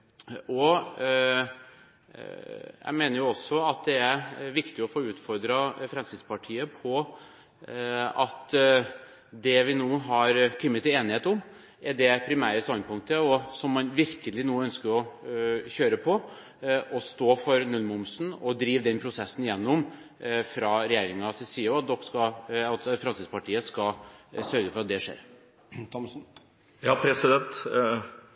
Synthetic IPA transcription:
ɔ | jæ̰meːnəɾjʊɔsːɔɑt̪̚d̪ɛæɾʋɪkt̪ɪɔfoːʉːt̪fɔɾd̪ɾɑfɾɛmskɾɪt̪spɑʈʰiːəpʰɔ | ɑt̪ | d̪ɛʋɪnuːɦɑɾkʰɪmːət̪ɪeːnɪheːt̪ʊm | ɛɖɛpʰɾɪmæːɾəst̪ɑnd̪̚pʊŋt̪əɔsɔmːɑnʋɪɾkəlɪnuːœnskəɾɔ | çøːɾəpʰɔ | ɔst̪oːfɔɾnʉlmʊmsnɔd̪ɾiːʋd̪ɛnpʰɾʊsɛsːnɪjɛnːʊm | fɾɑɾɛjeːɾɪŋɑsɛsiːəɾɑt̪̚d̪ɔkːskɑɑt̪fɾɑnsɪspɑʈiːəskɑsœɾɡəfɔɾɑt̪̚d̪ɛʂḛːɾ | t̪ʰɔn | jɑːpʰɾɛsɪd̪ɛnt̪

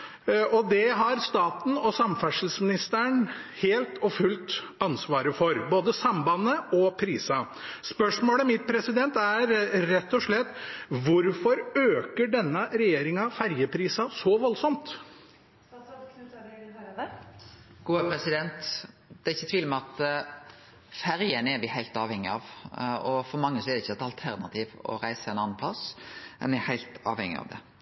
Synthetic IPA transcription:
ɔd̪ɛɦɑɾst̪ɑːt̪n̩ɔsɑmfæʂl̩smɪnɪst̪əɳheːlt̪ʰɔfʉlt̪ | ɑnsʋɑːɾəfɔɾboːd̪əsɑmbɑnːəɔpʰɾiːsɑ | spœʂmoːləmɪt̪̚pʰɾɛsɪd̪ɛnt̪æɾɾɛt̪ːɔʂɭɛt̪ːʋʊɾfɔɾøːkəɖɛnːəɾɛjeːɾɪŋɑfæɾjəpʰɾiːsɑsɔʋɔlsɔmt̪ | ɡ̥uːəpʰɾɛsɪd̪ɛnt̪ | d̪̥ɛɾɪçːət̪ʋiːləmɛɑt̪ | fæɾjənɛɾʋɪhæɪlt̪ɑːʋhɛŋːɪɑʋɔfɔɾmɑŋːəsɔɛɾd̪ɛɪçːɛt̪ɑlt̪ʰæɾnɑt̪ʰiːʋɔ̰ɾæɪsəɛɪnɑnːɑnpʰlɑsɛ̰nʋɛhæɪlt̪ɑ̰ːʋhɛŋːɪ̰ɑ̰ʋd̪ɛ̰

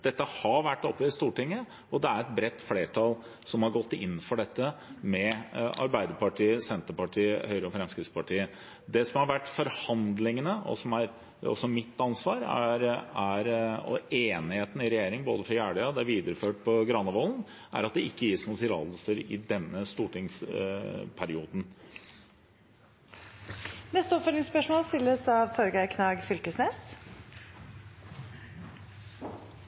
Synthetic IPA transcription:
d̪̥ɛt̪ːəhɑʋæʈːɔpːɛɪst̪uːʈɪŋːə | ɔd̪ɛæɾɛt̪̚bɾɛt̪ːfleːʈʰɑl | sɔmhɑɾɡɔt̪ːɪ̰nːfɔɖɛt̪ːəmɛɑ̰ɾbæɪd̪əɾpɑʈʰiːəsɛnt̪əpɑʈʰiːəhœʏɾəɔfɾɛmskɾɪt̪spɑʈʰiːə | d̪ɛsɔmhɑɾʋæʈːfɔɾhɑnd̪lɪŋənəʔɔ̰sɔmæɾ | ɔ̰sɔmɪt̪ːɑnsʋɑːɾæ̰ɾæɾɔ̰eːnɪheːt̪nɪɾɛjeːɾɪŋboːd̪əfɾɔjæːɖəɔd̪ɛæɾʋiːd̪əɾəføːʈ̚pʰɔɡɾɑnːəʋoːln | ʔæ̰ɾɑt̪̚d̪ɛɪkːəjiːsnuːt̪ʰɪlɑ̰ːləsəɾɪ̰d̪ɛnːəst̪uːʈɪŋs | pʰæɾɪuːd̪n̩ | nɛst̪əɔpfœlɪŋspœʂmoːlst̪ɪlːəsɑʋt̪ʰɔɾɡæɪkʰnɑːɡfʏlkəsneːs

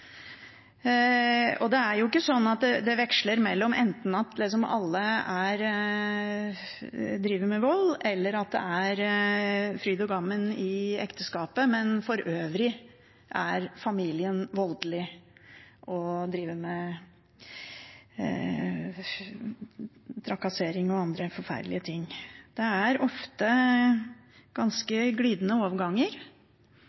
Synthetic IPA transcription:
ɔd̪ɛæɾjʊɪkːəsɔnːɑt̪̚d̪ɛd̪ɛʋɛkʂləɾmɛlːɔmʔɛnt̪n̩ɑt̪lɪs̬ɔmɑ̰lːəæɾ | d̪ɾiːʋəmɛʋɔlːɛlːəɾɑt̪̚d̪ɛ̰æɾ | fɾyːd̪ɔɡɑmːənɪɛ̰kt̪əskɑːpəmɛnfɔɾʔøːʋɾɪ | ʔæɾfɑmiːlɪənʋɔld̪lɪ | ʔɔd̪ɾiːʋəɾmɛ | t̪ʰɾɑkɑseːɾɪŋɔɑnd̪ɾəfɔɾfæ̰ɾd̪lɪət̪ʰɪŋːd̪̥ɛæɾɔft̪ə | ɡ̥ɑnskəɡliːd̪nəoːʋəɡɑŋːəɾ

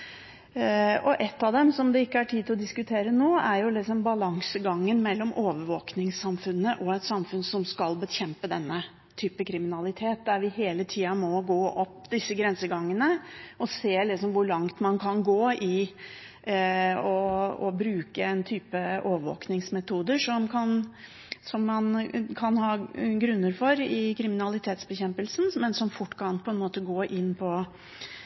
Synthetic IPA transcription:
ɔʔɛt̪ːɑʋd̪ɛmsɔmd̪ɛɪkːəæʈʰiːd̪ɪlɔd̪ɪskʉt̪ʰeːɾənoːæɾjʊlɪksɔmbɑlɑŋsəɡɑŋːənmɛlːɔmʔoːʋəɾʋoːknɪŋsɑmfʉnːəʔɔɛt̪sɑmfʉnsɔmskɑlbəçɛmpəd̪ɛnːə | t̪ʰyːpəkʰɾɪmɪnɑlɪt̪ʰeːt̪̚d̪æɾʋɪheːlət̪ʰiːɑmɔɡoːʔɔpːd̪ɪsːəɡɾɛnsəɡɑŋːənəʔɔseːlɪksɔmʋʊɾɭɑŋt̪mɑnkʰɑnɡoːɪ | ɔɔ̰bɾʉːkəɛnt̪ʰyːpəʔoːʋəʋo̰ːknɪŋsmɛt̪ʰuːd̪əʂɔmkʰɑn | sɔmːɑnkʰɑnhɑːɡɾʉnːəɾfɔɾɪkʰɾɪmɪnɑlɪt̪ʰeːt̪sbəçɛmpəlsn̩mɛnsɔmfʊʈːkʰɑnpʰɔɛnmoːt̪əɡoːʔɪnːpʰɔ

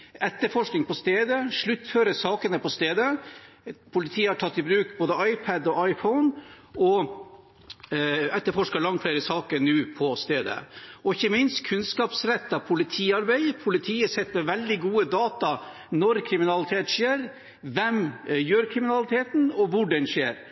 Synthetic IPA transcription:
ɛt̪ːəɾfɔʂknɪŋpʰɔst̪eːd̪əʂɭʉt̪ːføːɾəsɑːkənəpɔst̪eːd̪ə | pʰʊlɪt̪ʰiːəæʈʰɑt̪ːɪbɾʉːkboːd̪əɑɪpʰæd̪ɔʔɑɪfɔʊn | ɔ | ɛt̪ːəɾfɔʂkɑlɑŋt̪fleːɾəsɑːkəɾnʉːpʰɔst̪eːd̪ə̰ɔɪçːəmɪnst̪kʰʉnskɑːpsɾɛt̪ːɑpʰʊlɪt̪ʰiːɑɾbæɪpʰʊlɪt̪ʰiːəsɛt̪ːmɛʋɛld̪ɪɡuːəd̪ɑːt̪ɑ | nɔɾkʰɾɪmɪnɑlɪt̪ʰeːt̪ʂeːɾ | ʋɛmjøːɾkʰɾɪmɪnɑlɪt̪ʰeːt̪n̩ɔʋʊɖɛnʂeːɾ

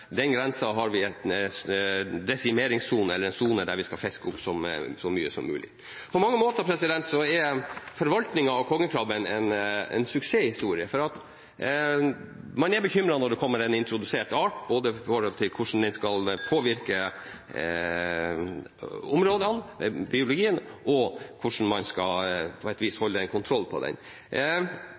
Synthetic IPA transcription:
d̪ɛnɡɾɛnsɑɦɑɾʋɪɛt̪sd̪ɛsɪmeːɾɪŋsːuːnəɛlːəɾɛnsuːnəd̪æɾʋɪskɑlfɛskəʊpsɔmsɔmyːəsɔ̰mːʉ̰ːlʔɪ̰ | pʰɔmɑŋːəmoːt̪əpʰɾɛsɪd̪ɛnt̪sɔæɾfɔɾʋɑlt̪nɪŋɑɑʋkʰɔŋːəkʰɾɑbənɛnɛ̰nsʉkseːhɪst̪uːɾɪəfɔɾɑt̪ | mɑnɛɾbəçʏmɾɑnɔɖ̪ɛkʰɔmːəɾɛnɪnt̪ɾʊd̪ʉseːʈɑːʈboːd̪əɪfɔːɾhɔlt̪ʰɪlkʰʊʂn̩d̪ɛnskɑlpʰoːʋɪɾkə | ʊmɾoːd̪ɑnbɪʊlʊɡiːənʔɔkʰʊʂn̩mɑnskɑ̰lpʰɔɛt̪ʋiːshɔlːəɛnkʰʊnt̪ʰɾɔlːpʰɔ̰d̪ɛ̰n

